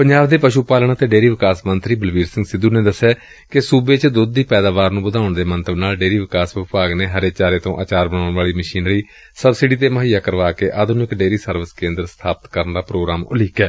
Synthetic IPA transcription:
pəɲd͡ʒaːbd̪eːpəʃuːpaːlɳat̪eːɖeːɾiːʋɪkaːsmənt̪ɾiːbəlʋiːɾsɪ̃ŋɡsɪd̪uːneːd̪əsːɛː | kɪsuːbeːt͡ʃd̪ʊd̪ːiːpɛːd̪aːʋaːɾnũːbəd̪ʱaːʊɳd̪eːmənt̪əbnaːlɖeːɾiːʋɪkaːsʋɪpaːɡneːɦəɾeːt͡ʃaːɾeːt̪õːʔa̰ːt͡ʃaːɾbəñaːʊɳʋaːliːməʃiːnliː | səbsɪɖiːt̪̬eːməɦijaːkəɾʋaːkeːʔaːd̪nɪkɖeːɾiːsəɾʋəskẽːnd̪əɾst̪ʰaːpət̪kəɾnɾaːpɾoːɡɾaːmʊ̰lɪkɛː

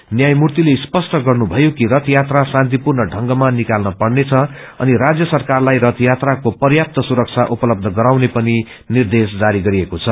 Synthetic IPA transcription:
njajmurt̪ilespʌsʈʌɡʌrnubʱʌjokiɾʌt̪jat̪rasãnt̪̬ipurnʌɖʱʌŋɡʌmanːikalnʌpʌɽnet͡sʰʌ | ʌ̰niɾad͡zjʌsʌrkarlajɾʌt̪jat̪rakopʌrjap̚t̪ʌsuɾʌk̚t͡sʰaʔupʌlʌb̚d̪ʱʌɡʌɾawnepʌni | nird̪esd͡zaɾiɡʌɾiekot͡sʰʌ

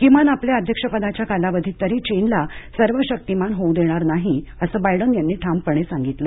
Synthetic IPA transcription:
kimanapljeəd̪ʱjəkʂəpəd̪at͡ɕjakalaʋəd̪ʱiːt̪ːəɾiːt͡ɕenlasəɾʋəɕək̚t̪imanɦowd̪eɽ̃aɾnaɦiəsəbajɽənjanːiːʈʰampəɳ̃esãŋɡit̪lə

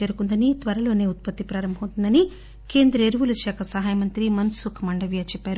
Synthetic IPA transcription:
eːɾukund̪ɐnit̪ʋɐɾɐlo̞ːne̞ːut̪̚pɐt̪ːipɾaːɾɐmbʱɐmunt̪und̪ɐni | ke̞ːnd̪ɾɐeɾuʋulɐʃaːkʰɐsɐɦaːjɐmɐnt̪ɾimɐnsukʰmɐɳɖɐʋjaːt͡ʃɛpːaːɾu

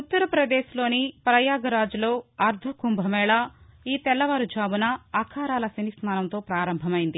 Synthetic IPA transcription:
ut̪ːɐɾɐpɾɐd̪eːʃlo̞ːnipɾɐjaːɡɐɾaːd͡ʒulo̞ːɐɾd̪ʱɐkumbʱɐmɛːɭaːiːt̪ɛlːɐʋaɾud͡ʒaːbunɐɐkʰaːɾaːlɐsinisnaːnɐnt̪o̞ːpɾaːɾɐmbʱɐmɐjind̪i

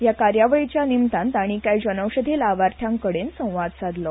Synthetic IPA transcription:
jakaɾjaʋəɭit͡ɕjanimt̪ãnt̪aɽ̃ikajd͡ʑənəwɕəd̪ʱelaʋaɾt̪ʰjãŋkəɽensə̃w̃ʋad̪sad̪lɔ

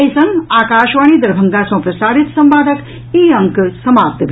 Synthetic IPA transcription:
jsɐ̃ŋɡaːkaːʃʋaːɳ̃iːd̪ɐɾbʱɐŋɡaːsɐ̃ːpɾɐsaːɾit̪sɐmpaːd̪ʱək | iːɐŋksɐmaːp̚t̪bʱ

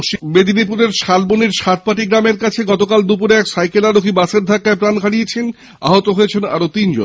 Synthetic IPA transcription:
ʃbed̪ʱinipuɾeɾʃalboniɾʃat̪̚paʈiɡɾameɾkat͡ɕʰeɡɔt̪okald̪upuɾeɛksajkelaɾokʰibaseɾd̪ʱakːaepɾankʰaɽijet͡ɕʰen | a̰ɦot̪oɦojet͡ɕʰena̰ɾot̪ind͡ʑo̰n

